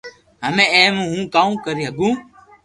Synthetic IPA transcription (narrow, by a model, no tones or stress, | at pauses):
ɦəmẽːeːmũːɦũːkaːũːkəɾiːɦəɡũː